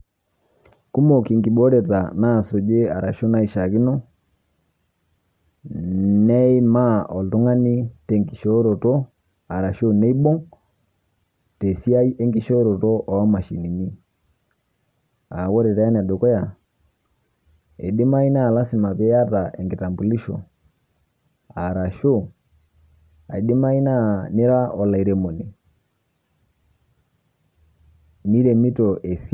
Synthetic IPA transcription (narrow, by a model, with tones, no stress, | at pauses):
ku˦mo˨ki˨ŋɡi˨ɓo˦ɾɛ˨ta̰˨na˦˨so˨d͡ʒe˦a˨ɾa˨ʃo˦na˦i˨ʃa˨ki˦no˦ | nɛ˦i˦ma˦ɔ˨ltu˦ŋa˦ni˦te˨ŋɡi˨ʃo˦ɾo˨to˦ | a˨ɾa˨ʃo˦ne˦i˦ɓo˦ŋ | te˨si˦a˦i˦ʔe˦ŋɡi˦ʃo˦ɾo˨to˦ʔɔ˨a˦ma˨ʃi˨ni˨ɲi˦ | a˨ɣɔ˦ɾɛ˨ta˨ja˦n˨a˨ɗɔ˨kɔ˦ja˨ | ɛ̰˨di˦ma˦i˦naː˦˨la˦si˨ma˨pɛ˦a˦ta˨ʔɛ˨ŋɡi˨ta˨mbu˨li˦ʃɔ̰˨ | a˨ɾa˨ʃo˦˨ | a˨i˨di˦ma˦i˦na˦ni˦ɾa˦ʔɔ˨la˨i˨ɾɛ˨mɔ˨ni˨ | mi˦ɾɛ˨mi˦tɔ˨ʔɛ˨s